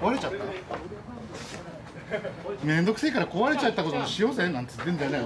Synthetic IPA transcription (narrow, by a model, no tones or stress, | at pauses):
koβaɾe̞t͡ɕat̪ːa | mẽ̞nd̪o̞kɯ̟sekaɾako̞βaɾe̞t͡ɕat̪ːako̞t̪oɕijo̞ːzenãnt̪ɨt̪end͡ʑanaj